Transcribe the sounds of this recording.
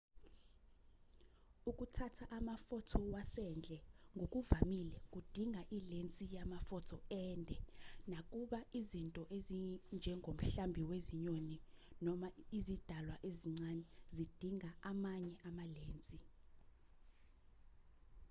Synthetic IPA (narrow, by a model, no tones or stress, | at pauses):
ukʼutʰatʰaʔamafɔtʰɔwasɛnd͡ɮʱɛŋɡʱokʼuvamilɛkʼud̥ʱiŋʱaʔilent͡sʼijamafɔtʰɔɛːndʱɛnakʼuɓaizintʼɔʔezind͡ʒʱɛŋʱom̩ɬambʱiweziɲoninɔmaizid̥ʱalwaʔeziŋ͡ǀanɛzid̥ʱiŋaamaɲɛʔamaleːnt͡sʼi